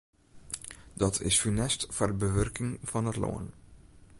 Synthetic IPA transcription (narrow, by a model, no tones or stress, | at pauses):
dɑtʰɪ̰sfynɛstfərəbəʋørkɪŋv̥ɑnɦətlo̰ːən